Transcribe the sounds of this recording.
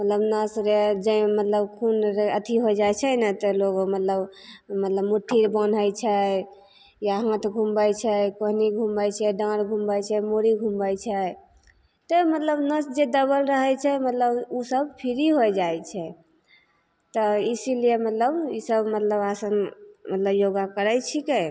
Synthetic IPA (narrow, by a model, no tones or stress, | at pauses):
mət̪ləbnəsɾed͡ʒə̃mət̪ləbkʰunɾət̪ʰiɦojd͡ʒat͡ʃʰɛnət̪əloɡomət̪ləbmət̪ləbmuʈʰːiɾbən̤əjt͡ʃʰɛ | jaɦãt̪ʰɡʱumbəjt͡ʃʰɛkoɦniɡʱumbəjt͡ʃʰɛɖãɽɡʱumbəjt͡ʃʰɛmoɾiɡʱumbəjt͡ʃʰɛ | t̪ɔmət̪ləbnəsd͡ʒed̪əbəlɾəɦɛt͡ʃʰɛmət̪ləbusəbpʰiɾiɦojd͡ʒajt͡ʃʰɛ | t̪ɔisiliemət̪ləbisəbmət̪ləbasənmət̪ləbjoɡakəɾət͡ʃʰike